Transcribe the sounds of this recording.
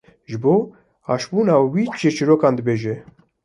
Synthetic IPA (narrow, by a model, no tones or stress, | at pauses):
ʒɨboː | ɑːʃbuːnaːwit͡ʃʰet͡ʃiɾoːkɑːnd̪əbeːʒɛ